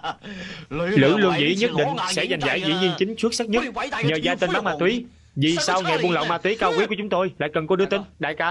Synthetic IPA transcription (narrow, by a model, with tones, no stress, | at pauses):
lɨ̰˧˥lu˧ənzḭ˧˥ɲə˦˥t̚ɗḭ̈˧˨ŋ̟sɛ̰˧˥za˨˩jŋ̟za̰ː˧˩jzḭ˧˥ɲi˧ənt͡ɕï˨˦ŋ̟t͡ɕu˦˥k̚sa˦˥k̚ɲə˦˥t̚ɲəː˨˩zaː˧t͡ɕe˧nɓaː˨˦˥ŋmaː˧t̪wi˨˦ | zi˨˩saː˧wŋa˨˩ɓu˧nlə̰˧˨wmaː˧t̪wi˨˦kaː˧wkwi˦˥ku˧˩t͡ɕʊ˨˦ŋ͡mt̪o˧jla̰ː˧˨jkə˨˩nkɔ˨˦ɗɨ˧˦ət̪ï˨˦ŋ̟ɗa̰ː˧˨jkaː˧˦